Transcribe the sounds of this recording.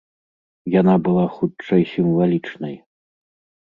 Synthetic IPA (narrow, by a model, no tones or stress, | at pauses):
janabɨlˠaxutt͡ʂɐjsʲimvalʲit͡ʂnɐj